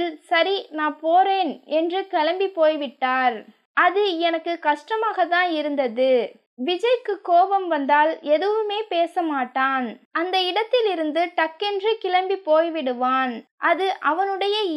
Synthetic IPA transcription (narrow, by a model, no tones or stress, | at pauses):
lsɐɾinaːpoːreːnɛndrɯkɛlɐmbipoːjʋɪʈːaːɾ | ʔɐðɯɛnɐkːɯkɐʂʈɐmaːɣɐt̪ːãːnɪɾɯnd̪ɐðɯ | ʋɪd͡ʒɐjkːɯkoːʋɐmʋɐnd̪aːlɛðɯʋɯmeːpeːsɐmaːʈːaːnɐnd̪ɐɪɽɐt̪ːɪlɪɾɯnd̪ɯʈɐkːɛndrɯkɪlɐmbipoːjʋɪɽɯʋaːnʔɐðɯʔɐʋɐnɯɽɐjɐ